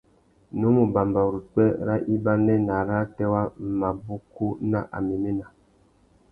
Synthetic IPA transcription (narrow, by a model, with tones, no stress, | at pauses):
nu˦mu˨ba˨mba˨ɾu˨k͡pɛ˦ɾa˦ʔi˦ba˦nɛ˦na˨ɾa˦tɛ˦wa˦ma˨bu˦ku˦na˦ʔa̰˨mi˨me˦na˨